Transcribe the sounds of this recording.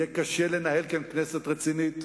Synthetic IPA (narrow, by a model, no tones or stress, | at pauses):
ekaʃelenahelkankneset̪ʁet͡sinit̪